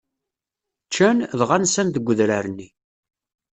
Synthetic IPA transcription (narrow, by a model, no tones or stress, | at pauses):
t͡ʃːænðʁansænðəɡʷːəðɾæɾənːi